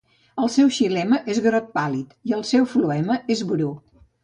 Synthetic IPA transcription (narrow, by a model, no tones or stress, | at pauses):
əlˠsɛwʃilɛməʔezɣɾɔt̪̚palit̪iəlˠsɛwfluɛməezβɾu